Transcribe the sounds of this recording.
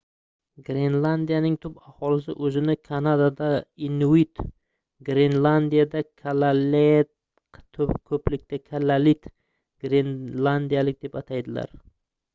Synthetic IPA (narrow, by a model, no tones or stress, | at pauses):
ɡɾe̞nlˠand̪ijanɪŋt̪ʰʊpahɒlɪsɪ̰ʔɵzɪnɪkʰanad̪ad̪ainuit̪ | ɡɾenlˠand̪ijad̪akʰalalet̪ | qt̪ʰʊpkʰɵplɪk̚ʲt̪akʰalalit̪ | ɡ̥ɾenlˠand̪ijalɪk̚ʲd̪e̞pat̪ʰajd̪ɪla̰ɾ